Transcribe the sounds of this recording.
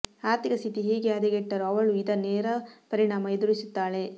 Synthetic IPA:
aːɾt̪ikɐst̪ʰit̪iɦeːɡeɐd̪eɡeʈːɐɾuɐʋɐɭuid̪ɐneːɾɐpɐɾiɳaːmɐed̪uɾisut̪ːaːɭe

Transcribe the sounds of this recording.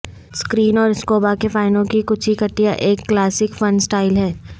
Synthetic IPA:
skɾiːnɔːɾɪskoːbakefaːɪnõkikʊt͡ʃʰikɐʈːijaʔeːkːlaːsɪkfɐnsʈaːɪlɦɛː

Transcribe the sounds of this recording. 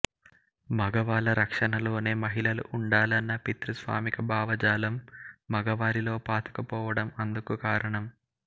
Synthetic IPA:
mɐɡɐʋaːlɐɾɐkʂɐɳɐlo̞ːne̞ːmɐɦiɭɐlṵʔuɳɖaːlɐnːɐpit̪ɾusʋa̰ːmikɐbʱaːʋɐd͡ʒaːlɐmːɐɡɐʋaːɾilo̞ːpaːt̪u̥kɐpɔːʋɐɽɐmɐnd̪ukukaːɾɐɳɐm

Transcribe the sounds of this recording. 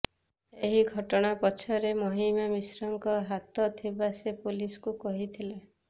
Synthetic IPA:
eɦiɡʱɔʈɔɽ̃apɔt͡ʃʰɔɾemoɦimamisɾɔŋkɔɦat̪ɔt̪ʰibasepuliskukɔɦit̪ʰile

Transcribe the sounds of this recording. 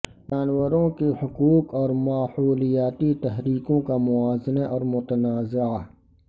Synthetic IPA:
d͡ʒaːnwəɾõkehʊkuːkɔːɾmaːhuːlijaːt̪it̪ɛɦɾiːkõkamʊaːznaʔɔːɾmʊt̪ənaːza

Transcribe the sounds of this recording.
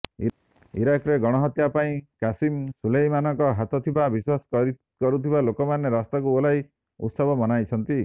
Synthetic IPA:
i | ḭɾakɾeɡɔɽ̃ɔɦɔt̪japaĩkasimsulejmanɔŋkɔɦat̪ɔt̪ʰibabiswasɔ̥kɔɾi | kɔɾut̪ʰibalokɔmaneɾɔst̪akuolaj | ṵt̪sɔbɔmɔnajt͡ʃʰɔnt̪i

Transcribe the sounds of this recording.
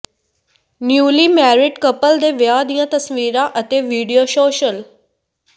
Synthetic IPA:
njuːliːmɛːɾɪɖkəpəld̪eːʋɪjaːd̪ijãːt̪əsʋiːɾãːʔət̪eːʋiːɖijoːʃoːʃəl

